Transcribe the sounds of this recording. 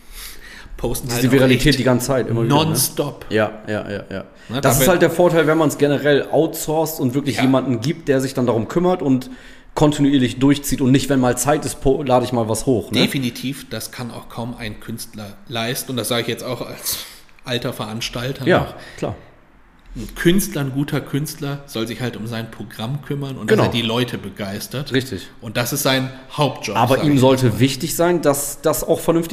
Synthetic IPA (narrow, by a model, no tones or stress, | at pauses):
pʰoʊstn̩iːzəviʁalitʰɛːt̚diːɡant͡sə̥t͡sʰaɪtʔɪ̰mɐvinːdɐnnstɔpjaːjʔa̰ːja̰ːja̰ː | nəd̥assɪsthaltdeːɐfoːɐtʰaɪlvɛnmansɡ̥ɛnəʁɛlʔa̰ʊtsɔɐstʊntv̥ɪɐklɪçjeːmandn̩ɡiːp̚t̚d̥eːɐzɪçd̥andaʁʊmkʰʏmɐtʊnt | kʰɔntinuiːɐlɪçd̥ʊɐçt͡siːtʊntnɪçtv̥ɛnmaːlt͡saɪtɪstpʰolaːɾəɪçmaːlvashoːxneəfinitʰiːfd̥askʰana̰ʊxkʰaʊma̰ɪnkʰʏnstlɐlaɪstn̩ʊntd̥asz̥aːɡəɪçjɛt͡staʊxa̰ls | ʔaltɐfɛɐʔanʃtaltʰɐjaːɔχʰl̥a̰ːɐ | n̩kʰʏnstlɐnɡuːtʰɐkʰʏnstlɐz̥ɔlzɪçhaltʊmzaɪnpʁ̥oɡʁamkʰʏmɐnʔʊ̰ntɡ̥ənadiːlɔʏtʰəbəɡaɪstɐtʁɪçtɪçʔʊnt̚d̥asɪstz̥aɪn | haʊp̚t̚ʒ̥ɔʔaːzbɐːʔiːmzɔltəvɪçtɪçz̥aɪndasd̥asaʊxfɛɐnʏnftɪ